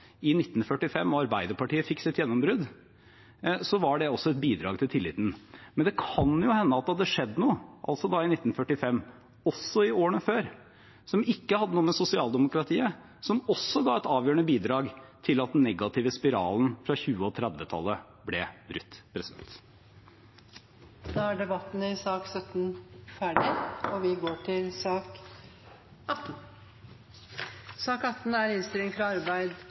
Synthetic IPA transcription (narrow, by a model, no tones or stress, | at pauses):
ɪnɪt̪ːn̩fœʈːɪfɛmːɔɑɾbæɪd̪əɾpɑʈiːəfɪksɪɛt̪jɛnːɔmbɾʉd̪ | sɔʋɑɖɛɔsːɔɛt̪̚biːd̪ɾɑ̰ːɡt̪ʰɪlt̪ʰɪlːɪːt̪n̩mɛnd̪ɛkʰɑnjʊhɛnːəɑt̪̚d̪ɑd̪ɛʂɛd̪ːənuːʔɑ̰lsɔd̪ɑɪnɪt̪ːn̩fœʈːɪfɛmː | ɔsːɔɪoːɾəɳəføːɾ | sɔmɪkːəhɑd̪ːənuːəmɛsʊsɪɑːlˠd̪ɛmʊkɾɑt̪ʰiːə | sɔmɔsːɔɡɑːɛt̪ɑːʋjøːɾəɳəbiːd̪ɾɑːɡt̪ʰɪlɑt̪̚d̪ɛn̩ːɛɡɑt̪ʰɪːʋəspɪɾɑ̰ːln̩fɾɑçʉːəɔt̪ʰɾæd̪ʋət̪ʰɑ̰lːə | blɛbɾʉt̪ːpʰɾɛsɪd̪ɛ̰nt̪ | d̪̥ɑæɖɛbɑt̪ːn̩ɪsɑːksœt̪n̩fæːɖɪɔʋɪɡoːʈʰɪlsɑːk | ʔɑt̪n | sɑːkɑt̪n̩æɾɪnst̪ɪlɪŋfɾɑɑɾbæɪd̪